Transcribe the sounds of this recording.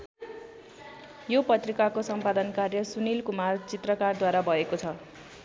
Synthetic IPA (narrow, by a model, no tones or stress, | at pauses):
jopʌt̪rikakosʌmpad̪ʌnkarjʌsunilkumart͡sit̪rʌkard̪waɾabʱʌekot͡sʰʌ